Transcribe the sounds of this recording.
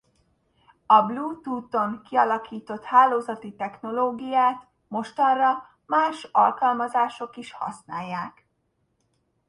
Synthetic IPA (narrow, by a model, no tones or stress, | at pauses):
ɒbluːt̪uːt̪o̞ŋkiɒlɒkiːt̪o̞t̪haːloːzɒt̪it̪ɛxno̞loːɡijaːt̪ | mo̞ʃt̪ɒnrɒ | maːʃɒ̰lkɒlmɒzaːʃo̞kiʃhɒ̰snaːjːaːk